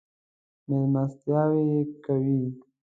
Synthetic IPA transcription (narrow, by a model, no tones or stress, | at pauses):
memast̪jɑwekawi